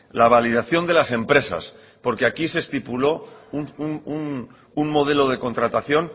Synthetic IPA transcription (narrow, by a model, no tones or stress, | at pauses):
laβ̞alið̞aθjo̞nd̪e̞lase̞mpɾe̞sa̰s | po̞ɾke̞akise̞st̪ipulo̞ununn | unmo̞ð̞e̞lo̞ð̞e̞ko̞nt̪ɾat̪aθjo̞n